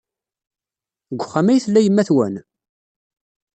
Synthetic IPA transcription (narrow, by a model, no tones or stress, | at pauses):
ɡʷːχːæmæjθlːæjəmːæθwæn